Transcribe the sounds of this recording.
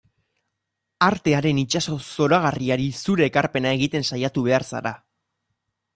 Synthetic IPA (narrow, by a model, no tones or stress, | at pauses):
aɾt̪e̞aɾe̞nit͡ʃaso̞so̞ɾaɣ̞ariaɾisuɾe̞ːkaɾpe̞nae̞ɣ̞it̪e̞nsajat̪uβe̞aɾsa̰ɾa